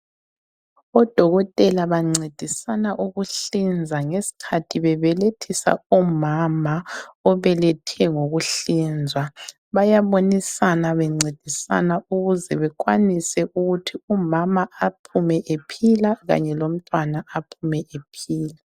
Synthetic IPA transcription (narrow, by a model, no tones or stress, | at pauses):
ɔd̥ʱɔɣɔtʼɛlaβaŋ͡ǀed̥ʱisanaʔuɣuɬind͡zʱaŋesi̥kʰatʰiβɛβɛletʰisa̰ɔmamaɔβɛlɛtʰɛŋoɣuɬind͡zʱwa | βajaβonisanaβɛŋ͡ǀed̥ʱisa̰nauɣuzɛβɛk̬ʼwanisɛʔuɣutʰiumamaapʰumɛʔepʰilaɣa̰ɲɛlom̩tʼwanaapʰumɛʔepʰiːla